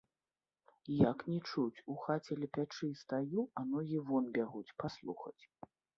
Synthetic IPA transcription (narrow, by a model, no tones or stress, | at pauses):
jaknʲɛt͡ʂut͡sʲuxat͡sʲɛlʲɛpʲat͡ʂɨst̪ajuanɔɣʲivɔnbʲaɣut͡sʲpaslˠṵxɐ̰t͡sʲ